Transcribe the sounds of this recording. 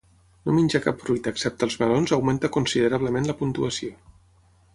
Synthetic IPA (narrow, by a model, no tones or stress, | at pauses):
nominʲd͡ʒəkapfɾujt̪əːksɛp̚t̪əːlˠzβəɾonzəwment̪əkunsiðəɾaβ̞ləmenləpunt̪uəsio